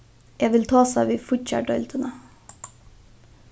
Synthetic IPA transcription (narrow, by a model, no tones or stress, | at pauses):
jæʋɪlt̪ʰɑːsæ̰ːʋiːfʊʈçæ̰ʈœʏlt̪ʰənə